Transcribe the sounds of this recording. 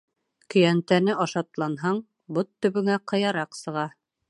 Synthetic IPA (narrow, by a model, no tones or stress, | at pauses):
kɵ̆jænt̪ænɘʔɑʃɑt̪lˠɑnɦɑɴ | bot̪ːɵ̆βɵ̆ŋæqɤ̆jɑɾɑqsɤ̆ʁɑ